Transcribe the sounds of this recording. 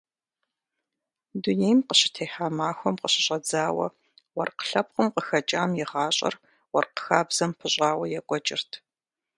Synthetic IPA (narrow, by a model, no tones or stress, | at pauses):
duneːjmqəɕɪtʰeːħaːmaːxʷɔmqəɕɪɕʼɐd͡zaːwɐ̰ | wɐrqə̥ɬɐp̚qəmqəxɐt͡ʃʼaːmjɛʁɑːɕʼɐ̰r | wɔrqə̥xaːbz̥ɐmpʰɨɕʼɑːwɐjɛkʷʼɔt͡ʃʼɪrtʰ